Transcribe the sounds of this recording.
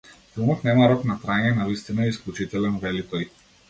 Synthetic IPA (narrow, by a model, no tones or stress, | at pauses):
filˠmɔt̪nɛmaɾɔknat̪ɾaɲɛnavist̪inaɛisklʲut͡ʃit̪ɛlɛnvɛlit̪ɔj